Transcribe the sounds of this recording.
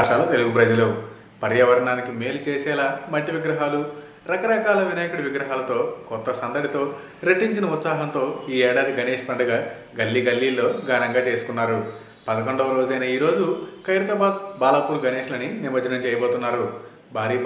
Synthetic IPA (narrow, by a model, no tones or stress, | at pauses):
ʂaːlɐt̪e̞luɡupɾɐd͡ʒɐlu | pɐɾjɐʋɐɾɐɳaːnikime̞ːlut͡ʃɛːsɛːlaːmɐʈːiʋiɡɾɐɦaːlu | ɾɐkɐɾɐkaːlɐʋinaːjɐkɐɽɐʋiɡɾɐɦaːlɐt̪o̞ːkɔt̪ːɐsɐnd̪ɐɽit̪o̞ː | ɾeʈːiɲt͡ʃinɐut̪saːɦɐnt̪o̞ːiːɛːɽaːd̪iɡɐneːʂpɐɳɖɐɡaː | ɡɐlːiɡɐlːiːlːo̞ːɡaːnɐŋɡaːt͡ʃe̞ːsu̥kunːaːɾu | pɐd̪ɐkoɳɖɐːɐɾoːd͡ʒɐjnɐiːɾo̞ːd͡ʒukɐjɾɐt̪ɐbaːd̪̚baːlɐpuːɾɡɐneːʂlɐninimɐd͡ʒɐnɐmt͡ʃɛːjɐboːt̪unːaːɾu | bʱaːɾiː